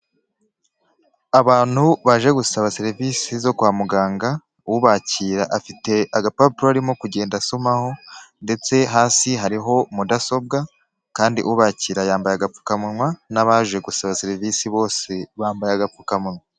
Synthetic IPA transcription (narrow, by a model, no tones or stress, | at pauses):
aβaːn̥huβaʒe̞ɡusaβaseɾiviːsizo̞kwaːmuɡaːŋɡa | uβaciːɾaʔafite̞aɡapapuɾoaɾimo̞kuɟe̞ːndasomaho̞nde̞t͡se̞ɦaːsiɦaɾiɦo̞mudaso̞b̚ɡa | kaːndiʔuβaciːɾajaːmbajaɡap͡fu̥kamunwanaβaʒe̞ɡusaβaseɾivisiβo̞ːse̞βaːmbajaɡap͡fukamunwa